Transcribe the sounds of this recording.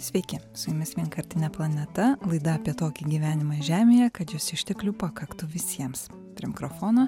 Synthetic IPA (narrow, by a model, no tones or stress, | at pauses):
sʲʋʲɛɪkʲɪsʊjʊmʲɪsʋʲiɛnkɐɾʲt̪ʲɪnʲɛplˠɐnʲɛt̪ɐlˠɐɪd̪ɐɐːpʲiɛt̪oːkʲiɡʲiːʋʲæːnʲɪmɐɪʒʲæːmʲeːjɛkɐt̪jʊsʲɪʃʲt̪ʲɛklʲuːpɐkɐkt̪ʊʋʲɪsʲiɛms | pʲɾʲiɛmʲɪkɾofoːnoː